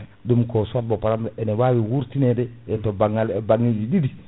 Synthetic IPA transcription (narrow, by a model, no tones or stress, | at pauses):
dumkosuat̚bopaɾamenewawiwuɾtinedeetobaŋalbaŋːid͡ʒididi